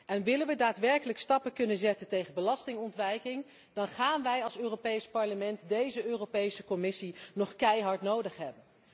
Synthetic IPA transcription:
ɛnʋɪlənʋədaːtʋɛɹkələkstɑpəkɵnənzɛtəntejχənbəlɑstɪŋɔntʋɛjkɪŋ | d̥ɑnχaːnʋɛjɑlˠsøːropejspɑɹləmɛntdejzəøːrowpejsəkɔmɪsinɔχkɛjɦɑɹtnowdəχɦɛbən

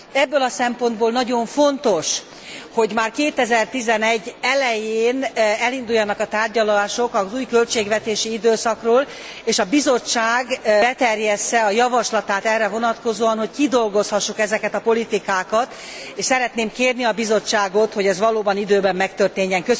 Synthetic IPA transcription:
ɛbːølɒsɛmpo̞nd̪boːlnɒɟo̞ɱfo̞nt̪o̞ʃ | ho̞ɟmaːrkeːt̪ɛzɛrt̪izɛnɛɟːɛlɛjeːnɛlind̪ujːɒnɒkɒt̪aːrɟɒlaːʃo̞kɒzuːjkø̞lt͡ʃeːɡʋɛt̪eːʃiid̪øːsɒkroːl | eːʃɒbizo̞t͡ʃːaːɡbɛt̪ɛrjɛst̪ɛɒjɒvɒʃlɒt̪aːt̪ɛrːɛvo̞nɒt̪ko̞zoːɒnɦo̞ckid̪o̞lɡo̞shɒʃːukɛzɛkɛt̪ɒpo̞lit̪ikaːkɒt̪ | eːʃsɛɾɛt̪neːmkeːrniɒbizo̞t͡ʃːaːɡo̞t̪ho̞ɟɛzʋɒloːbɒnid̪øːbɛmːɛkt̪ørt̪eːɲːɛŋkø

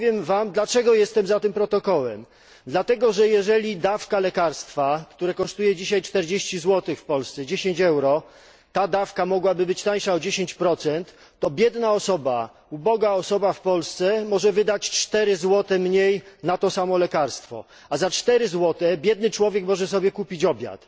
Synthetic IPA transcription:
vjɛmvamd̪lat͡ʂɛɡɔjɛst̪ɛmzat̪ɘmpɾɔt̪ɔkɔwɛm | d̪lat̪ɛɡɔʐɛjɛʐɛlʲid̪afkalɛkaɾst̪fakt̪uɾɛkɔʂt̪ujɛd͡ʑiɕajt͡ʂt̪ɛɾd͡ʑeɕt͡ɕizwɔt̪ɘxfpɔlst̪sɛd͡ʑeɕeɲt͡ɕɛwɾɔ | t̪ad̪afkamɔɡwabɘbɘt͡ɕt̪aj̃ʂaɔd͡ʑeɕeɲt͡ɕpɾɔt̪sɛnt̪ː | ɔbʲjɛd̪naɔsɔba̰ | ubɔɡaɔsɔbafpɔlst̪sɛmɔʐɛvɘd̪at͡ɕt͡ʂt̪ɛɾɘzwɔt̪ɛmɲejnat̪ɔsamɔlɛkaɾst̪fɔ̰ | azat͡ʂt̪ɛɾɘzwɔt̪ɛbʲjɛd̪nɘt͡ʂwɔvʲjɛkmɔʐɛs̬ɔbʲjɛkupʲit͡ɕɔbʲja̰t̪

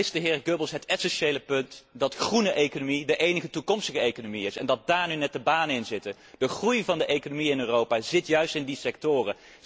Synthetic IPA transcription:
ɪsdəɦɪːɹɡøbəlˠsɦətɛsɛnʃejləpɵntdɑtχrunəʔejkonomidəʔejnəχətukɔmstəχəejkonomiɪsɛ̰ndɑt̚daːɹnynɛt̚dəbaːnənɪnzɪtə | d̥əχrujvɑndəʔejkonomiɪnøːrowpaːzɪtjœɥstɪndisɛk̚tʊːrə

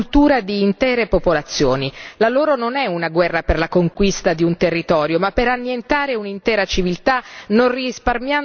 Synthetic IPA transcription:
lt̪uːɾad̪iːnt̪ɛːɾepopolat̪sːjo̰ːnilaloːɾononɛunaɡwɛrːaperlakoŋkwist̪ad̪iunt̪erːit̪ɔːɾjomapːeɾanːjent̪aːɾeunint̪ɛːɾat͡ʃivilt̪anorrisparmja

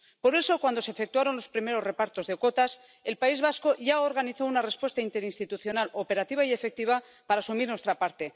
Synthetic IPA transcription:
po̞ɾe̞so̞kwand̪ose̞ːfe̞kt̪waɾo̞nlo̞spɾime̞ɾo̞sre̞paɾt̪o̞zðeko̞t̪as | e̞lpaizβasko̞ʝaoɾɣaniθo̞unare̞spwe̞st̪aint̪e̞ɾinst̪it̪uθjo̞nalo̞pe̞ɾat̪iβaie̞fe̞k̚t̪iβa | paɾaːsumiɾnwest̪ɾapaɾt̪e̞

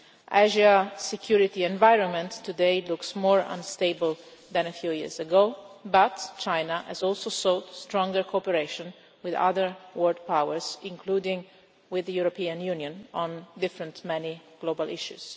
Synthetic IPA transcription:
ʔæʒasɛkʰjuɹit̪iɛ̃ɱvajɹɔ̃nmɛ̃nt̪ːud̪eɪlʊksmɔːɹã̰nst̪eɪbəlðæ̃nəfjujḭzəɡobat̪t͡ʃãɪnaʔɛ̰zɔlsosodstɾɔ̃ŋɡəɹkʰoɔpɛɾeɪʃɔ̃n | wɪða̰ðəɹwɔɹd̪̚pawəɹzɪ̃ŋkʰluːdɪ̃ŋ | wɪðəjuɾɔpiãnjunjə̃nɔ̃nd̪ɪfɾə̃ntmɛniɡ̥lobalʔɪʃṵz̥

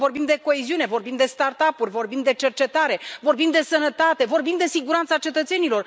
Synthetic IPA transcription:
vo̞rbimd̪e̞ko̞eziune̞vo̞rbimd̪e̞st̪art̪apurʲvo̞rbimd̪e̞t͡ʃe̞rt͡ʃe̞t̪aɾe̞vo̞rbimd̪e̞sənət̪at̪e̞vo̞rbimd̪e̞siɡuɾant̪sat͡ʃe̞t̪ət̪se̞nilo̞r

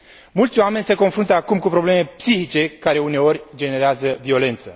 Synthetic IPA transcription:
mult̪sʲoame̞nʲse̞ko̞nfɾunt̪əakumkupɾo̞ble̞me̞psiçit͡ʃe̞kaɾe̞une̞o̞rʲd͡ʒe̞ne̞ɾeazəvio̞le̞nt̪sə

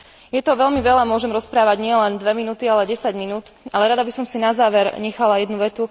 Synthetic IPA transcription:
jɛt̪ɔʋɛʎlmiʋɛlamʊɔʒɛmɾɔspɾaːʋaɟɲɪɛlɛnd̪ʋɛminuːt̪ialɛɟɛsaɟminuːt̪alɛɾad̪abisɔmsinazaːʋɛɾɲɛxalajɛd̪nuʋɛt̪u

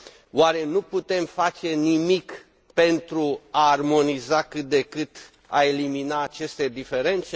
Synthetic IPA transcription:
waɾe̞nuput̪e̞mfat͡ʃe̞nimik | pe̞nt̪ɾuaːrmo̞nizakɨt̪̚d̪e̞kɨt̪ | a̰e̞liminaːt͡ʃe̞st̪e̞d̪ife̞ɾe̞nt̪se

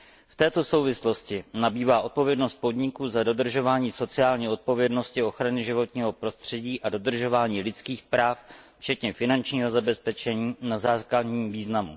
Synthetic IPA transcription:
ft̪ɛːt̪o̞so̞wvɪslo̞scɪnabiːvaːʔo̞t̪̚po̞vjɛdno̞st̪̚po̞dɲɪkuːzado̞d̪r̩ʒo̞vaːɲiːso̞t͡sɪaːlɲiːʔo̞t̪̚po̞vjɛdno̞scɪo̞xɾanɪʒɪvo̞t̪ɲiːɦo̞pɾo̞st̪r̝̥ɛɟiːʔado̞d̪r̩ʒo̞vaːɲiːlɪt͡skiːxpɾaːf | ft͡ʃɛt̪ɲɛfɪnant͡ʃɲiːɦo̞zabɛspɛt͡ʃɛɲiːnazaːkladɲiːmviːznamṵ

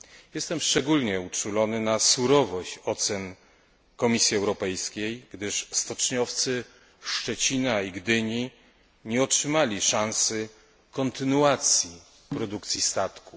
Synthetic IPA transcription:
jɛst̪ɛmʂt͡ʂɛɡulɲɛut͡ʂulɔnɘnasuɾɔvɔɕt͡ɕɔt̪sɛn | kɔmʲisʲjiɛwɾɔpɛjskʲejɡd̪ɘʂst̪ɔt͡ʂɲɔft̪sɘ | fʂt͡ʂɛt͡ɕinaiɡd̪ɘɲi | ɲɛɔtʂɘmalʲiʂãñsɘ | kɔnt̪ɘnuat̪sʲji | pɾɔd̪ukt̪sʲist̪at̪ku

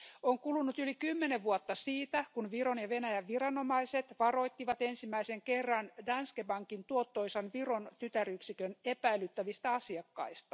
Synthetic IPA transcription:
oŋkulunut̪ylikymːeneʋʋuot̪ːɑsiːt̪ækunʋironjɑʋenæjæʋʋirɑnomɑiset̪ʋɑro̞jt̪ːiʋɑt̪ensimːæiseŋkerːɑndɑnskebɑŋkint̪uot̪ːoisɑnʋiront̪yt̪æryksikønepæilyt̪ːæʋist̪æɑsiɑkːɑ̰ist̪ɑ̥

